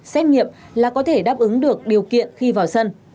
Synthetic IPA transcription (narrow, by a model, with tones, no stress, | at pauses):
sɛ˧˥jŋ̟̚ŋḭ˧˨əm | laː˨˩kɔ˨˦t̪ʰe˧˩ɗaː˦˥p̚ʔɨ˨˦ŋɗɨ˨˩ək̚ɗi˨˩əwkḭ˧˨ənxi˧vaː˨˩wsə˧n